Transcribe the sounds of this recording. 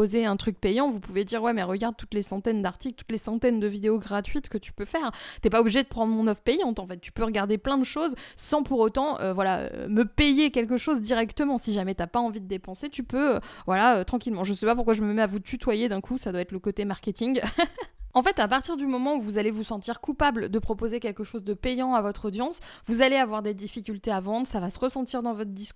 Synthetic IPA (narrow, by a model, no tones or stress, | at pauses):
ozeɛ̃t̪χyk̚pɛjɑ̃vupuved̪iʁwɛmɛʁəɡaʁd̪̚t̪u̥t̪lesɑ̃t̪ɛnd̪aʁt̪iklt̪u̥t̪lesɑ̃t̪ɛnd̪əvid̪eoɡʁat̪ɥit̪kət̪y̥pøfɛːʁt̪yɛpaobliʒed̪əpχɑ̃d̪ʁmɔ̃nɔfpejɑ̃t̪ɑ̃fɛt̪ːy̥pøʁəɡaʁd̪eplɛ̃d̪əʃozsɑ̃puʁot̪ɑ̃ʔø̰vwalaø̰məpejekʲɛlk̬əʃozd̪iʁɛkt̪əmɑ̃siʒamɛt̪yapaɑ̃vid̪əd̪epɑ̃set̪ypøøvwalaøt̪χɑ̃kʲilmɑ̃ʒəsɛpapuʁkwaʒəməmɛavut̪yt̪wajed̪ɛ̃kʰusad̪waɛt̪ləkot̪emaʁkʲet̪iŋɡ | ɑ̃fɛt̪apaʁt̪iʁd̪ymɔmɑ̃uvuzalevusɑ̃t̪iʁkupabld̪əpχɔpozekʲɛlkəʃozd̪əpɛjɑ̃avɔt̪χɔd̪jɑ̃svuzaleavwaʁd̪ed̪ifikʲylt̪eavɑ̃d̪ʁəsavasəʁəsɑ̃t̪iʁd̪ɑ̃vɔt̪χd̪isk